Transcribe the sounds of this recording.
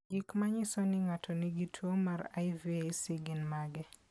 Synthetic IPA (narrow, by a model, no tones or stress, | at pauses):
ɡikmaɲɪsɔnɪŋatʰɔnɪɡitʰuomaɾa̰jviejsiɡɪnmaɡɛ